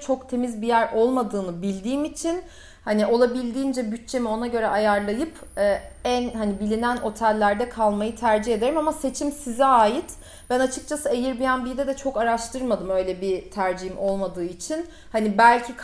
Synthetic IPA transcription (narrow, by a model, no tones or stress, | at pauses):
t͡ʃʰo̞kt̪ʰe̞mizbijæɾʔo̞lˠmad̪ɯːnɯbilʲd̪iːmit͡ʃʰin | haniʔo̞lˠabilʲd̪iːnd͡ʒɛbyt̚t͡ʃʰe̞mio̞naɟø̞ɾɛʔajaɾlˠajɯpɛːænhanibilʲinænʔo̞t̪ʰælʲːæɾd̪ɛkʰalˠmajɯt̪ʰæɾd͡ʒihe̞d̪e̞ɾimamase̞t͡ʃʰimsizɛaːjit̪ | b̥ænat͡ʃʰɯ̥k̚t͡ʃʰasɯejiɾbijanbijd̪ɛd̪ɛt͡ʃʰo̞kaɾaʃt̪ʰɯɾmad̪ɯmø̞jlʲɛbit̪ʰæɾd͡ʒihimʔo̞lˠmad̪ɯːit͡ʃʰin | hanibælʲcʰik